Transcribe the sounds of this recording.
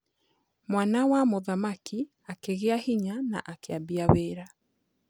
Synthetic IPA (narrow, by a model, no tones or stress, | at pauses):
mwanawamoðamaki | akeɣeahiɲana̰ʔakeabiaweːɾa